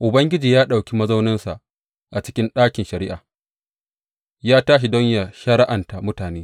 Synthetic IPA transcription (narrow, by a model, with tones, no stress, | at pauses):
ʔʊ˨bɐ˦ŋɡʲɪ˦d͡ʒiː˨jaː˦ɗa˨wkʲi˦mɐ˦za˦wnɪ˦nsa̰˨ʔ | ʔa˨t͡ʃɪ̥˦kʲɪ˦nɗaː˦kʲɪ˨nʃɐ˨ɾɪ˦ʔaː˨ | jaː˦taː˦ʃ̬i˨dɔ˦ɲja˨ʃɐ˦ɾa˦ʔa˨nta˨mʊ˦taː˨neː˦